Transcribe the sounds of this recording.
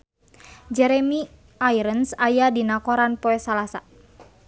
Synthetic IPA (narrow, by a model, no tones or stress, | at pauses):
d͡ʒɛɾɛmi | ʔajɾənsajadinakɔɾanpɔɛsalasa